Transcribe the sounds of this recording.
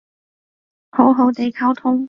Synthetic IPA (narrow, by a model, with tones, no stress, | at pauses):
ho˨˥wɦo˨˧˥wt̪e˨jkʰɐ˥wt̪ʰʊ˥ŋ